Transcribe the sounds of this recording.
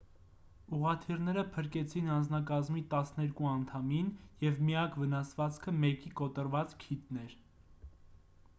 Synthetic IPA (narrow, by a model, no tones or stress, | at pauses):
uʁɑt̪ʰirnɛɾəpʰəɾkɛt͡sʰinɑnd͡znɑkɑzmit̪ɑsnɛɾkuɑnt̪ʰɑminjɛvmijɑkʰvənɑsvɑt͡skʰəmɛkikɔt̪əɾvɑt͡skʰit̪nɛɾ